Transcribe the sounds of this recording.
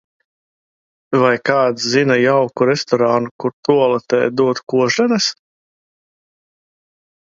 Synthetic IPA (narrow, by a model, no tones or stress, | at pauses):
vajkaːt̪szinajawkuɾɛst̪ɔɾanukuɾt̪uɔlˠɛt̪ɛ̰ːjd̪uɔt̪kuɔʒɛnɛs